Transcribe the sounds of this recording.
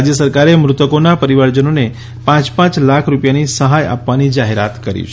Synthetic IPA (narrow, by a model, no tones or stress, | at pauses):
d͡ʒjəsəɾkaɾemɾʊt̪əkonapəɾiʋaɾd͡ʒənone | pãt͡ʃpãt͡ʃlakʰɾupjanisəɦaja̰pʋanid͡ʒaɦeɾat̪kəɾḭt͡ʃʰ